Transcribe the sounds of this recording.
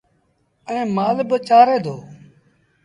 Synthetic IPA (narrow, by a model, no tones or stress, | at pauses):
əẽːmaːlbət͡ʃaːɾeːd̪oː